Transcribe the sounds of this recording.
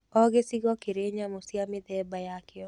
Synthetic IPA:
ɔɡɪsɪɡɔkɪɾeɲamosiamɪd̪ɛbajakɪɔ

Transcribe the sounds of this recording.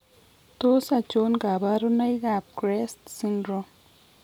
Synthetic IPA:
t̪osat͡ʃonɡabaɾunajɡap̚kɾest̪sinɾo

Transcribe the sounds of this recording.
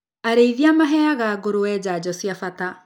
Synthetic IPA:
aɾeiðiamaɦɛaɣaːɣoɾoɛːd͡ʑad͡ʑɔsijafata

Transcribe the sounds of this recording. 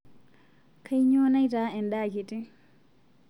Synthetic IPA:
kʰajɲɔːnajtaɛnɗaːkiti

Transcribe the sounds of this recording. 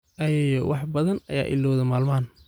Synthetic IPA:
ʔɐjɛjɔwʔɑħbɐðɐnɐ̰ja̰ːʔɪ̰lːɔːðɐmaːlmaːn

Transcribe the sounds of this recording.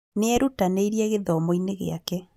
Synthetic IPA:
neɛɾutaneiɾiɛɣeðɔmoineɣḛakɛ

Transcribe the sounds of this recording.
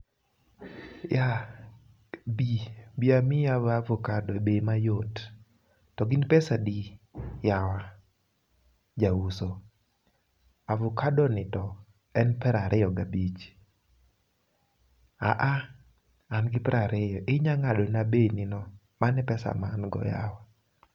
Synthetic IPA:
ja | bibiamɪjavavɔkadɔebemajotː | ɔɡɪnpɛsadijawa | d͡ʒauso | avʊkadɔnɪtɔ | ɛnpɛɾaɾʔɪjɔɡabit͡ʃ | a̰ʔa | anɡɪpɛɾaɾejɔʔɪɲaŋadɔnabenɪnɔ | manɛpɛsa̰manɡɔ̰ja̰wa

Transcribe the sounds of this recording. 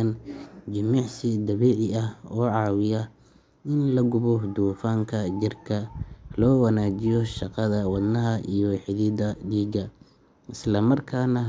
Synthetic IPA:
nd͡ʒɐmiːʕsɪd̪ɐβiːʕɪɐhɔːʕɑːwɪjɐ | ʔɪnlɐɡʊβɔd̪uːfaːŋkʰɐd͡ʒɪrkʰɐlɔːwɐnaːd͡ʒɪjɔʃɑqɑðɐwɐd̪nɐɦɐʔḭjɔwɛːħɪðid̪ɐɖiːɡɐ | ʔɪslɐmɐrkʰaːnɐ

